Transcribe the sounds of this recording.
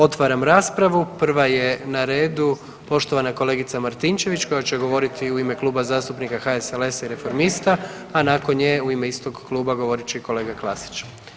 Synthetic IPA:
o̞t̪ʋaɾamɾaːspɾaʋupr̩ʋaje̞naɾe̞ːd̪u | po̞ʃt̪o̞ʋanako̞le̞ːɡit̪samaɾt̪int͡ʃe̞ʋit͡ʃko̞jat͡ɕeɡo̞ʋo̞ɾit̪ʰiuime̞klˠuːbazaːst̪upnikaxaesele̞saiɾe̞fo̞ɾmist̪a | anako̞nɲeuime̞ist̪o̞ɡklˠuːbaɡo̞ʋo̞ɾit͡ɕeiko̞le̞ːɡaklˠa̰si̥t͡ʃ

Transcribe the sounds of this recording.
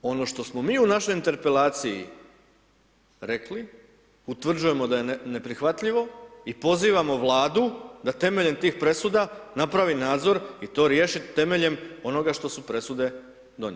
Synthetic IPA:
o̞no̞ʃt̪o̞smo̞miːunaʃo̞jint̪e̞ɾpe̞laːt̪sijḭ | ɾe̞kli | ut̪ʋr̩d͡ʒuje̞mo̞d̪aje̞ne̞pɾixʋat̪ʎiʋo̞ipo̞ziːʋamo̞ʋlˠaːd̪ud̪at̪e̞me̞ʎe̞mt̪iːxpɾe̞sud̪anapɾaʋinaːd̪zo̞ɾit̪o̞ːɾje̞ːʃit̪e̞me̞ʎe̞mo̞no̞ɡaʃt̪o̞supɾe̞sud̪e̞ | d̪o̞ɲḛ

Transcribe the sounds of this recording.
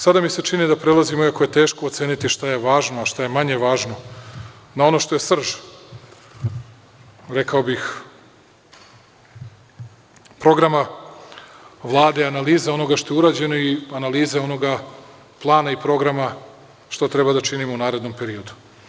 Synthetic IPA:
sad̪amise̞t͡ʃinid̪apɾe̞lˠazimoiakoje̞t̪eːʃko̞ot̪seːnit̪iʃt̪aje̞ʋaːʒnoaʃt̪aje̞maɲe̞ʋaːʒno̞ | nao̞no̞ʃt̪o̞jesr̩ʒ | ɾe̞kaobix | pɾo̞ɡɾama | ʋlˠaːd̪eianaliːzeo̞no̞ɡaʃt̪o̞jeuɾaːd͡ʑe̞no̞ianaliːzeo̞no̞ɡa | plˠaːnaipɾo̞ɡɾama | ʃt̪o̞t̪ɾe̞bad̪at͡ʃinimounaːɾe̞d̪no̞mpe̞ɾio̞d̪u̥

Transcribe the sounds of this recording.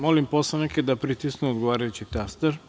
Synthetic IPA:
molimposaneked̪apɾit̪isnuod̪ɡoʋaːɾajut͡ɕit̪ast̪eɾ

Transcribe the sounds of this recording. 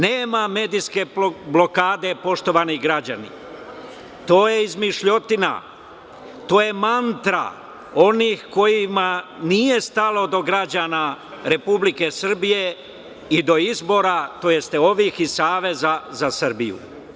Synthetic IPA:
neːmame̞ːd̪iske̞blo̞kaːd̪e̞po̞ʃt̪o̞ʋaniɡɾad͡ʑanḭ | t̪o̞ːje̞izmiʃʎo̞t̪ina̰ | t̪o̞ːje̞mant̪ɾa̰ | o̞nixko̞jimanije̞st̪alo̞d̪o̞ɡɾad͡ʑanaɾe̞publike̞sr̩bije̞ | id̪o̞izbo̞ːɾat̪oje̞st̪eo̞ʋiːxisaːʋe̞zazasr̩bijṵ

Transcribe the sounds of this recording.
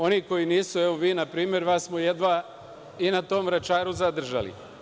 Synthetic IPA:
o̞niko̞jiniːsueʋoʋiːnapɾiːmjeɾʋasmojed̪ʋa | inat̪o̞ːmɾat͡ʃaːɾuzad̪r̩ʒa̰lḭ

